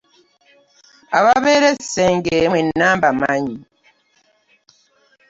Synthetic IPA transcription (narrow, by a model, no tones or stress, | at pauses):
aβaβeɾeseŋɡemwenːambamaɲi